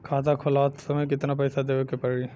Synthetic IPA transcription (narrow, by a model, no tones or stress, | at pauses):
kʰaːt̪akʰʊlaːt̪sɐməjkɪt̪nap̬ɐjsad̪eːekepɐɾi